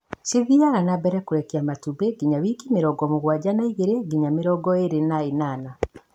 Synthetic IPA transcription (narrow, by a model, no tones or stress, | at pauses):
siðiaɾanabɛɾɛkoɾɛkiamatubeɡiɲaβikimeɾɔɡɔmoɣwaɟanaiɣeɾeɡiɲameɾɔɡɔeɾenaenana